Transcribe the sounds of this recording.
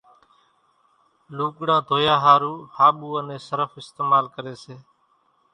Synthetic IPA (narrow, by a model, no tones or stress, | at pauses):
luːkɽãːd̪ʱoːjaːɦaːɾuːhaːɓuːənẽːsəɾəfɪst̪eːmaːlkəɾeːseː